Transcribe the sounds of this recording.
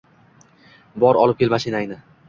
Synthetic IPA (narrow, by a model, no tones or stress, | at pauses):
bɒɾɒlˠɪp̚kʲʰelmaʃɪnajnɪ